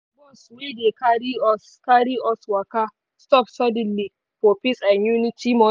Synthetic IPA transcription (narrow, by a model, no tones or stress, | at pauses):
bɔswedekaɾiɔs | kaɾiʔɔswaka | stɔpsɔdɛnli | fopisanjunitimɔ